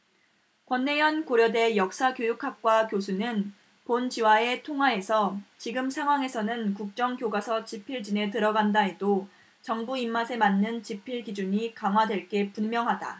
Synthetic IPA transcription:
kwʌnːe̞jʌnkoɾjʌde̞jʌk̚s͈akjojukʰap̚k͈wakjos̬ʰunɯn | pond͡ʑiwae̞tʰoŋwae̞sʰʌt͡ɕiɡɯmsʰaŋɦwaŋe̞sʰʌnɯnkuk̚t͡ɕ͈ʌŋkjoɡasʰʌt͡ɕipʰiɭd͡ʑine̞tɯɾʌɡandae̞do | t͡ɕʌŋbuimːasʰe̞manːɯnt͡ɕipʰiɭɡid͡ʑuɲikaŋwadwe̞ɭk͈e̞punmjʌŋɦada̰

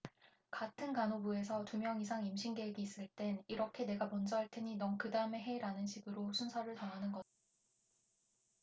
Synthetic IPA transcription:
katʰɯnkanobuesʰʌtumjʌŋisʰaŋimɕʰiŋɡe̞ɡiːs͈ɯɭt͈e̞niɾʌkʰe̞ne̞ɡamʌnd͡ʑʌɦaɭt͈ʰeɲinʌnkɯdaɯme̞ɦe̞iɾanɯnɕʰiɡɯɾosʰunsʰaɾɯɭtʌnɦanɯnɡʌ

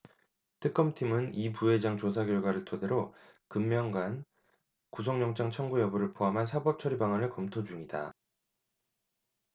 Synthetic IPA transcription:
tʰɯk͈ʌmtʰimɯnipuɦe̞d͡ʑaŋt͡ɕosʰaɡjʌɭɡwaɾɯɭtʰode̞ɾo | kɯmːjʌŋɡwan | kus̬ʰʌŋɲʌŋt͡ɕ͈ʰaŋt͡ɕʰʌŋɡujʌbuɾɯɭpʰoɦamɦansʰabʌp̚t͡ɕʰʌɾibaŋanɯɭkʌmtʰod͡ʑuŋida̰

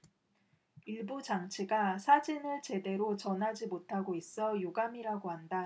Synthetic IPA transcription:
iɭbud͡ʑaŋt͡ɕʰiɡasʰad͡ʑinɯɭt͡ɕe̞de̞ɾot͡ɕʌnɦad͡ʑimotʰaɡois͈ʌjoɡamiɾaɡoɦanda

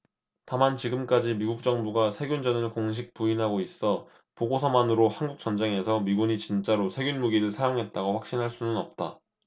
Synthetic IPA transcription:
tamant͡ɕiɡɯmk͈ad͡ʑimiɡuk̚t͡ɕ͈ʌŋbuɡasʰe̞ɡjund͡ʑʌnɯnkoŋɕʰik̚puinɦaɡois͈ʌ | poɡosʰʌmanɯɾohanɡuk̚t͡ɕ͈ʌnd͡ʑeŋɦe̞sʰʌmiɡuɲit͡ɕint͡ɕ͈aɾosʰe̞ɡjunmuɡiɾɯɭsʰajoŋɦe̞t̚t͈aɡoɸwak̚ɕ͈inɦaɭs͈unɯnʌp̚t͈a̰

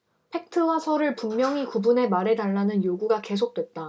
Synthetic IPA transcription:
pʰe̞k̚tʰɯwasʰʌɾɯɭpummjʌŋikubune̞maɾe̞daɭːanɯnjoɡuɡake̞s̬ʰok̚t͈we̞t̚t͈a

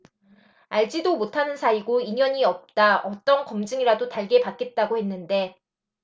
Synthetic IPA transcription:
aɭd͡ʑidomotʰanɯnsʰaiɡoiɲʌɲiʌp̚t͈aʌt͈ʌnkʌmd͡ʑɯŋiɾadotaɭɡe̞pak͈e̞t̚t͈aɡohe̞nːɯnde̞

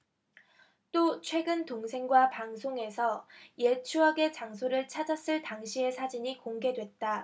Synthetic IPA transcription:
t͈ot͡ɕʰwe̞ɡɯntoŋsʰe̞ŋɡwapaŋsʰoŋe̞sʰʌje̞t͡ɕʰuɦaɡe̞t͡ɕaŋs̬ʰoɾɯɭt͡ɕʰad͡ʑas͈ɯɭtaŋɕʰie̞sʰad͡ʑiɲikoŋɡe̞dwe̞t̚t͈a

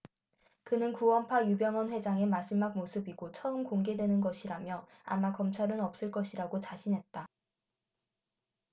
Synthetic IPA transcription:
kɯnɯnkuwʌmpʰajubjʌŋʌnɸwe̞d͡ʑaŋe̞masimːak̚mosʰɯbiɡot͡ɕʰʌɯmkoŋɡe̞dwe̞nɯnɡʌɕʰiɾamjʌ | a̰makʌmt͡ɕʰaɾɯnʌp̚s͈ɯɭk͈ʌɕʰiɾaɡot͡ɕaɕʰinɦe̞t̚t͈a

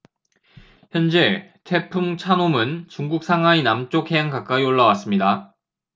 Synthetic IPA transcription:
çjʌnd͡ʑe̞tʰe̞pʰumt͡ɕʰanomɯnt͡ɕuŋɡuk̚s͈ʰaŋɦwainamt͡ɕ͈okhe̞aŋkak͈aioɭːawas͈ɯmɲida

